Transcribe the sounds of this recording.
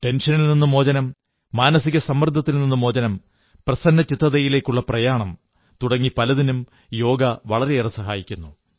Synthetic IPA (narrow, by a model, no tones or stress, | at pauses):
ʈe̞nʂɐnilninːumo̞ːd͡ʑɐnɐmː | aːnɐsiɣɐsɐmːɐrd̪ʱːɐt̪ːilninːumo̞ːd͡ʑɐnɐm | prɐsɐnːɐt͡ɕit̪rɐðɐjile̞ːkʲːuɭːɐprɐjaːɳɐm | t̪uɽɐŋːipɐlɐðinum | jo̞ːɡɐʋɐɭɐɾe̞irɐsɐɦaːjikʲːunːu